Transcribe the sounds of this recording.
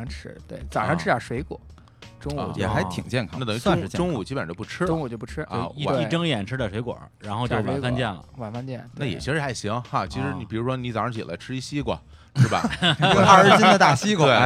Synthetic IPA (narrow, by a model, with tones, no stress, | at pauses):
ʈ͡ʂ̩ʰ˥t̪wḛ˥˩ɪt͡sa˨˩ʂɑ˥˧ʈ͡ʂʰɻ̩˥ja˥˩ʂwe˧˥ɪkwɔ̰˨˩˦ | ʈ͡ʂʊ˥ŋ˧˩jɛ̰˨˩xa˧˥ɪt̪ʰḭ˨˩ŋt͡ɕjɛ˥˩nkʰɑ˥na˥˩ə˨˩ŋ˧˥aʊ˥˧˥ŋ̩˧˥ʈ͡ʂʊ˥ŋu˨˩t͡ɕi˥pə˨n˧˥o˥˧˩pu˥˩ʈ͡ʂʰɻ̩˥ʊ˥ŋu˨˩t͡ɕjo˥˧ʊpu˥˩ʈ͡ʂʰɻ̩˥˧˥ei˥˩ʈ͡ʂɤ˥ŋjɛ˨˩nʈ͡ʂʰɻ̩˥d̪ə˨ʂwe˧˥ɪkwɔ̰˨˩˦ɻa˧˥nxo˥˧ʊt͡ɕjo˥˧˩wa˨˧˥fa˥nt͡ɕjɛ˥˩nlə̰˩wa˧˨˩nfa˥nt͡ɕjɛ˥˩nna˥˩jɛ̰˨˩t͡ɕʰi˧˥ʂɻ̩˧˥xa˧˥˩ɪɕi˧˥ŋxa˥˩t͡ɕʰi˧˥ʂɻ̩˧˥ni˧˨˩pi˨˩ɻu˧˥ʂwɔ˥ni˧˥t͡st͡ɕʰi˨˩la̰˧˥ɪʈ͡ʂʰɻ̩˥˧i˥˩ɕi˥kwɔ̰˨˩ | ʂɻ̩˥˩bɐ̰˨˥˧a˥˧˥t͡ɕi˥ndə˨t̪a˥˩ɕi˥kwe˥˩